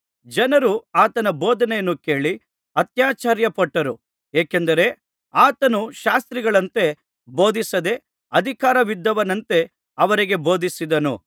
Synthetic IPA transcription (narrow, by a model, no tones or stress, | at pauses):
d͡ʒɐnɐɾuaːt̪ɐnɐboːd̪ɐnejɐnːuke̞ːɭi | ɐt̪jaːt͡ʃaːɾjɐpɐʈːɐɾu | eːkend̪ɐɾe̞ | aːt̪ɐnuʃaːst̪ɾiɡɐɭɐnt̪e̞ | bo̞ːd̪ʱisɐd̪e̞ | ɐd̪ʱikaːɾɐʋid̪ːɐʋɐnɐnt̪e̞ | ɐʋɐɾiɡe̞bo̞ːd̪isid̪ɐnṵ